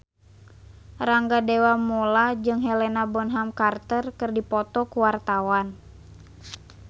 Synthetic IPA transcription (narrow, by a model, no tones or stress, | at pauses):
raŋɡadɛwamɔlad͡ʒɨŋɦɛlɛnabɔnɦamkart̪ərkɨrdipɔt̪ɔkuwart̪awan